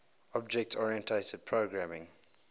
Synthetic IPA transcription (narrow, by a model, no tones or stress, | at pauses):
ɔb̚d͡ʒɛk̚tʰɔɹiə̃ntʰetəd̚pʰɹoɡɹæmɪ̃ŋ